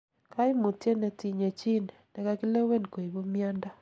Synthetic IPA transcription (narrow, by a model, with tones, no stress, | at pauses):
ka˦i˦mu˨tje˦nɛ˨ti˨ɲe˨t͡ʃi˦n˨nɛ˨ka˦ki˦le˦we˦nko˨i˨βu˦mi˦a˦nda˦